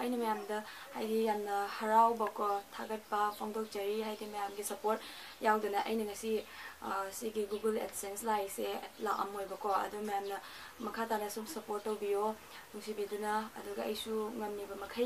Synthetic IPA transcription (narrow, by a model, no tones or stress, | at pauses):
ɐjnɐmɐjamdɐhajdijamnɐhɐɾawbɐkʰotʰa̰ɡɐt̚pɐpʰoŋdok̚t͡ʃɐɾiɦajdimɐjamɡisɐpoɾt | jawdɐnɐʔɐ̰jnɐŋɐsi | siɡiɡuɡeledsenslajselaʔɐ̰mojbɐkʰoɐ̰duɡmɐjamnɐ | mɐkʰatanɐsumsɐpoɾtːowbijo | nuŋsibidunɐɐduɡɐɐjsuŋɐmnibɐmɐkʰɐ